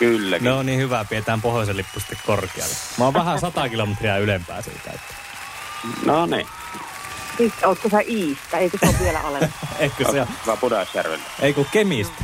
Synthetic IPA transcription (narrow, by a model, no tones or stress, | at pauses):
kylːæ̰kneonniːhyʋæpiet̪æːmpohjoselːipːusi̥t̪ːekkorkiɑ̰lːeʋɑːˑʋʋæhæsɑt̪ɑkilomet̪riɑylempæ̰ːsḭːk̪æ̰ˑyt̪ːæ̥ | nonḭ | siːˑt̪ːoːˑt̪t̪æsæʔiːst̪ːˑæeˑikøsoʋʋielæ̰ɑleeˑikøseokɑpudɑsjærʋḛlːæʔeˑikukkemist̪æ